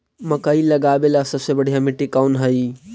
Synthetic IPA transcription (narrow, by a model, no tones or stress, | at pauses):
mɐkəiləɡaːbelasəbsebəɽ̤ʱijamiʈikaunɦəi